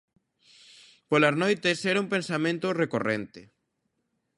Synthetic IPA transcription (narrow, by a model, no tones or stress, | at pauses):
polaznojt̪esɛɾaumpẽnsamẽnt̪orekorent̪e